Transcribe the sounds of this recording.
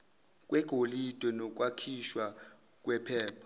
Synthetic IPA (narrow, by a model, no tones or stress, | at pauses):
k̬ʼwɛɡ̥ʱolid̥ʱwɛnɔk̬ʼwakʰiʃwa | k̬ʼwɛpʰɛːpʰɔ